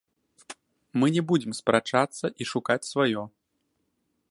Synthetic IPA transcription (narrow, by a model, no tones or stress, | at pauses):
mɨnʲɛbud͡zʲɪmspɾʔat͡ʂat̪sːɐʔiʂukat͡sʲsvajɔ